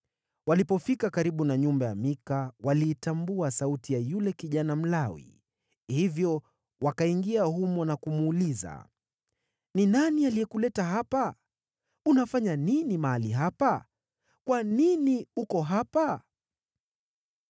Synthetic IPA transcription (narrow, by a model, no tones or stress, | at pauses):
walipɔfikakaɾiɓunaɲumbaja̰mikawaliːtambuasautijajulɛkiʄanam̩lawḭ | hivjɔ | wakaiŋɡiahumɔnakumuːliza̰ | ninanialiɛkulɛtaɦapa | unafaɲaninimaaliɦapa | kwaniniukɔɦapa